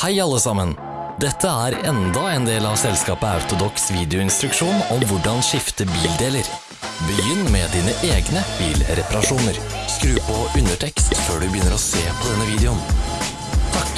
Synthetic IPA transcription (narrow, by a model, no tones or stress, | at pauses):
hæɪɑlːəsɑmən | d̪ɛt̪ʰːəæːɾɛnd̪ɑɛːnd̪eːlɑʋsɛlskɑːpəɑ̰ʉt̪ʊd̪ɔksʋiːd̪ɪʊɪnst̪ɾʉkʂuːnɔmʋʊɖɑnʃɪft̪əbiːld̪eːləɾ | bəjʏnːmɛd̪iːnəʔeːɡnəb̥iːlɾɛpɑɾɑʂuːnəɾ | skɾʉːpʰɔʔʉnəʈʰɛkst̪føːɖʉbəjʏnːəɾɔseːpʰɔd̪ɛnːəʋiːd̪ɛʊn | t̪ʰɑk